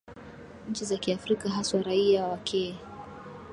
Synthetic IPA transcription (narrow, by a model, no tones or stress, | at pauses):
ɲ̩t͡ʃizakiafɾikaɦaswaɾaiawawakʰɛ